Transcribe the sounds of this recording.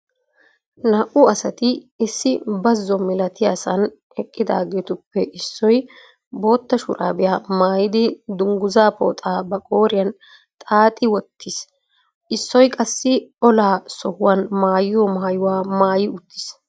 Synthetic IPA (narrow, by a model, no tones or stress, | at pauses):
nɐʔʊɐsɐt̪ɪɪsːɪbɐzːɔmɪlɐt̪ɪjasɐn | ɛkʼːɪd̪a̰ːɡeːt̪ʊpːɛʔɪsːɔj | bo̞ːt̪ːɐʃʊɾʔa̰ːbɪjaːmaːjɪd̪ɪd̪ʊŋɡʊzaːpo̰ːt̪ʼaːbɐkʼo̞ːɾɪjɐn | t̪ʼaːt̪ʼɪwɔt̪ʰːɪs | ʔɪsːɔjkʼɐsːɪɔlaːsɔhʊwɐnmaːjɪjɔmaːjʊwaːmaːjɪʊt̪ːɪ̥s